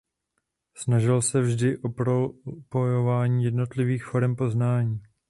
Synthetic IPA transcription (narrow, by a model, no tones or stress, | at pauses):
snaʒɪlsɛvʒdɪʔo̞pɾopo̞jo̞vaːɲiːjɛdno̞t̪lɪviːxfo̞ɾɛmpo̞znaːɲiː